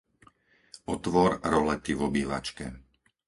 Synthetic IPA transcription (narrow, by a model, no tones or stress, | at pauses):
ɔt̪ʋɔɾɾɔlɛt̪iʋɔbiːʋa̰t͡ʃkɛ